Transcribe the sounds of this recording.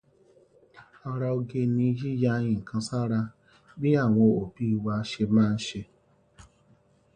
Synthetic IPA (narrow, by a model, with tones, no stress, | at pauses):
ɔ˧ɾa˧o˧ɡe˧nĩ˧d͡ʒi˦ja˧jĩ˨kʰã˧sa˦ɾa˧ | bi˦a˦˨w̃ɔ̃˧o˨bi˨˦˧wa˧ʃe˧mãː˦˧n̩˦ʃe˧